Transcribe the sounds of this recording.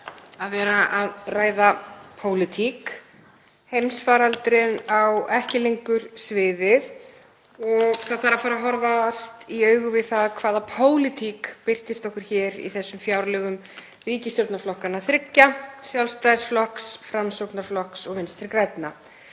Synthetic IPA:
aðvɛːɾaʔaðraːjðapʰoːwlɪt̪ʰik | hejmsfaːɾalt̪ʏɾɪnawɛhcɪlejŋkʏɾ̥svɪːðɪð | ɔɣkʰaðθaɾafaːɾaɦɔɾvast̪iœːɥɣʏvɪðθaðkʰvaːðapʰoːwlɪt̪ʰikpɪr̥t̪ɪst̪ɔhkʏɾ̥çɛːɾḭθɛsːʏmfjawɾlɛɣʏm | riːcɪst̪jowɾt̪naflɔhkanaθɾɪcːasjawlst̪ajsflɔhksfɾamsowknaɾflɔhksɔɣvɪnst̪ʰɪɾkɾɛjt̪na

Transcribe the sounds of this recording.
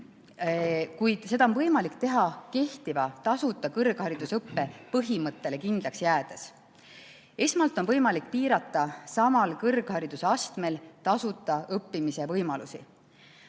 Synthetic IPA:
kujd̪̥se̞d̪̥ɑonvɤjmɑlikt̪e̞ɦɑke̞ht̪ivɑt̪ɑsut̪ːˑɑkɤrɡ̥hɑɾid̪̥usɤpːe̞pɤɦimɤt̪ːe̞le̞kind̪lɑksjæːd̪̥e̞s | e̞smɑlt̪ːˑo̞nvɤjmɑlik̚ːˑpiːɾɑt̪ːˑɑsɑmɑlkɤrɡ̥hɑɾid̪̥use̞ɑst̪me̞lt̪ɑsut̪ːˑɑɤpːimise̞vɤjmɑlusḭ

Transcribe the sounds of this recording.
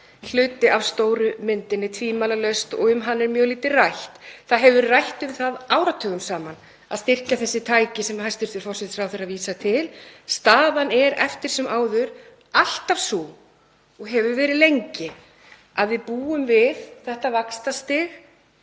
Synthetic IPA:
l̥ʏːt̪ɪʔavst̪oːwɾʏmɪnt̪ɪnːɪt̪ʰviːmalalœɥst̪ɔ̰ɣʏmɦanːɛɾmjœːɣliːt̪ɪrajht̪θaðɦɛvʏrajht̪ʏmθaðaːwɾat̪ʰœːɣʏmsaːman | a̰ðst̪ɪr̥caθɛsːɪt̪ʰaːjcɪsɛmhajst̪ʏɾ̥θvɪɾfɔrsɪt̪sfɾawθeraðviːsat̪ʰɪlst̪aːðanɛɾɛ̰ft̪ɪɾ̥sɛmʔaːwðʏɾ | al̥t̪av̥suː | ɔɣɦɛvʏɾvɛːɾɪðlejɲcɪ | aðvɪpuːʏmvɪðθɛht̪avakst̪ast̪ɪːɣ

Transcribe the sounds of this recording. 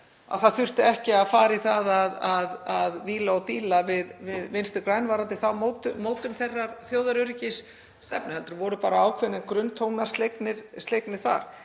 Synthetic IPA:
a̰θaðθʏr̥t̪ɪɛhcɪaðfaːɾiθaðaðaðaðviːlaɔwt̪iːlavɪðvɪðvɪnst̪ɪɾkɾaːjnvaːɾant̪ɪθawmot̪ʏmoːwt̪ʏmθerːaɾ̥θjoːwðaɾʏɾɪcɪs | st̪ɛ̰pnɪhɛlt̪ʏɾvɔɾʏpaːɾaaːwkʰvɛnɪɾkɾʏnːt̪ʰowknḁst̪lejknɪɾ̥st̪lejknɪɾ̥θa̰ɾ̥

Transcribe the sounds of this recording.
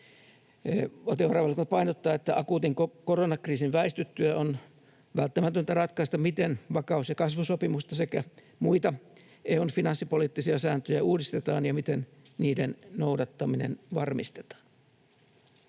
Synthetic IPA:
ot̪eʋɑrɑʋɑlkopɑinot̪ːɑːet̪ːæʔɑkuːt̪iŋkkoronɑkriːsinʋæist̪yt̪ːyjæon | ʋælt̪ːæmæt̪ønt̪ærɑt̪kɑist̪ɑmmit̪enʋɑkɑusjɑkɑsʋusopimust̪ɑsekæ | muit̪ɑ | ʔeonfinɑnsːipoliːt̪ːisiɑsæːnt̪øjæuːdist̪et̪ɑːnjɑmit̪en | niːdennoudɑt̪ːɑminḛnʋɑrmist̪e̥t̪ɑ̥ːn

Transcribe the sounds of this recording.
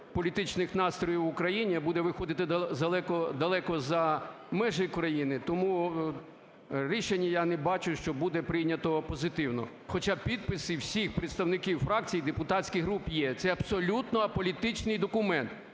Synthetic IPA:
pɔlʲit̪ɪt͡ʃnɪxnɑst̪ɾɔjiwʊkɾɐjinʲibud̪ɛʋɪxɔd̪ɪt̪ɪzɐlˠɛkɔd̪ɐlˠɛkɔzɐ | mɛʒɪkɾɐjinɪt̪ɔmu | ɾʲiʃenʲːɐjanɛbɑt͡ʃʊʃt͡ʃɔbud̪ɛpɾɪjnʲɐt̪ɔpɔzɪt̪ɪwnɔ̰ | xɔt͡ʃapʲid̪̚pɪsɪwsʲixpɾet̪st̪ɐwnɪkʲiwfɾɑkt͡sʲijd̪epʊt̪ɑsʲkʲɪɦɾupjɛt̪sɛɐbsɔlʲut̪nɔɐpɔlʲit̪ɪt͡ʃnɪjd̪ɔkʊmɛnt̪

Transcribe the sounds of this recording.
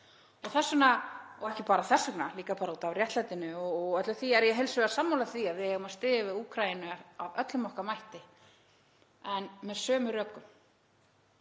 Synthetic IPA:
ɔθɛsːʏnaɔɣɛhcɪpaːɾaθɛsʏknaliːkapaːɾaut̪avrjɛht̪lajt̪ɪnʏɔɣœt̪lʏθiɛɾjɛɦɛlsʏvɛɾasamːowlaθiaðvɪhɛɣʏmast̪ɪːðɪvɪðuːkʰɾajɪnʏaavœt̪lʏmɔhkamajht̪ɪ | ɛnmɛðsœːmʏɾœkːʏm

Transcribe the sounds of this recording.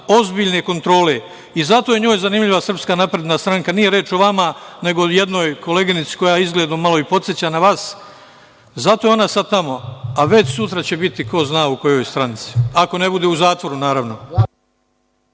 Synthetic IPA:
o̞zbiʎne̞ko̞nt̪ɾo̞ːle | izat̪ojeɲo̞ːjzanimʎiʋasr̩pskanapɾe̞d̪nast̪ɾaŋkanijeɾeːt͡ʃo̞ʋamane̞ɡoje̞d̪no̞ːjko̞le̞ɡinit̪si̥ko̞jaːizɡleːd̪omalo̞ipo̞t̪sjet͡ɕanaʋaːs | zat̪ojeo̞nasad̪̚t̪amo̞aʋe̞t͡ɕsut̪ɾat͡ɕe̞bit̪iko̞znaːuko̞jo̞jst̪ɾanit̪si̥ako̞ne̞bud̪eːuzaːt̪ʋo̞ɾunaːɾaʋno̞

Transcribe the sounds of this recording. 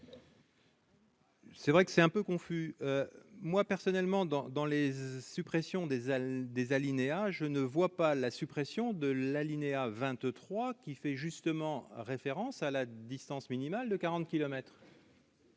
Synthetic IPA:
sɛvʁɛkə̥sɛt̪ɛ̃pøkɔ̃fyømwapɛʁsɔnɛlmɑ̃d̪ɑ̃d̪ɑ̃lesypχesjɔ̃d̪ed̪ezalineaʒənəvwapalasypχesjɔ̃d̪əlalineavɛ̃t̪t̪χwakʲifɛʒyst̪əmɑ̃ʁefeʁɑ̃salad̪ist̪ɑ̃sminimald̪əkaʁɑ̃t̪̚kʲilɔmɛt̪χ

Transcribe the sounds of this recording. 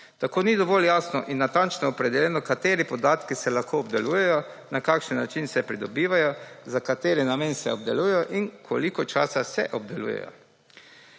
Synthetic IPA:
t̪akoːnid̪ɔʋɔljaːsnɔ̰ʔinːat̪ant͡ʃnɔːpɾɛd̪ɛljɛnɔkat̪eːɾipɔd̪aːt̪kisɛlaxkoːbd̪ɛluːjɛjɔnakaːkʃənːat͡ʃinsɛpɾid̪ɔbiːʋajɔzakat̪eːɾɛnamensɛɔb̚d̪ɛluːjɛjɔʔinkʰo̰likɔt͡ʃaːsasɛ̰ʔɔb̚d̪ɛlṵːjɛ̰jɔ̰

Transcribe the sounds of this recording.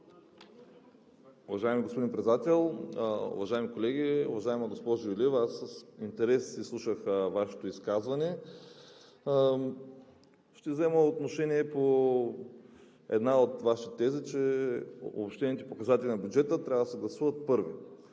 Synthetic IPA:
ʊvɐʒaɛmiɡospod̪inpɾɛat̪ɛlˠʊ̰vɐʒaɛmikolɛɡʲiʊ̰vɐʒaɛməɡospɔʒojulivassint̪ɛɾɛssislˠuʃəxvaʃɛ̥t̪oiskazvɐnɛ | ʃt̪ɛvzɛməot̪noʃɛniɛpo | ɛ̰d̪naot̪vaʃit̪ɛzit͡ʃɛ | o̰pʃt̪ɛniɛt̪ɛpokɐzat̪ɛlʲinɐbʲjud͡ʒɛt̪ət̪ɾʲavɐd̪ɐsɛɡlˠɐsuvɐt̪̚pɤɾvi

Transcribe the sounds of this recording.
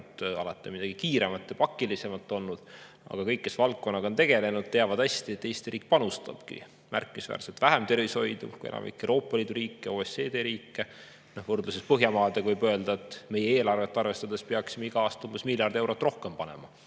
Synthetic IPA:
t̪ɑ̰lɑt̪ːˑimid̪̥ɑɡ̥ikiːɾe̞mɑt̪ːˑjɑpɑkːˑilise̞mɑt̪ːˑo̞lnud̪̥ | ɑ̰ɡ̥ɑkɤjkːesvɑlk̚kːo̞nːɑɡot̪e̞ɡ̥e̞le̞nud̪̥̚t̪eɑvɑd̪̥æst̪iet̪ˑːejst̪iɾiːk̚pɑnust̪ɑ̰b̥kḭ | mæ̰rkːˑiisvæ̰ːrselt̪væɦemt̪e̞ɾvisho̞jd̪̥ṵkṵjḛnʔɑ̰mḭkːˑewɾo̞ːpˑːɑliːd̪uɾiːkːejɑoːese̞ːd̪eːɾiːkːˑe | nohvɤrd̪lusespɤɦjɑmɑːd̪̥eɡ̥vɤjbøe̞ld̪̥ɑet̪ːme̞jeeːlɑrve̞t̪ːɑrve̞st̪ɑd̪̥e̞speɑksimeiɡ̥ɑɑːst̪ɑumb̥esmilʲjɑrd̪ewɾo̞t̪ːˑro̞hkempɑne̞̰mɑ

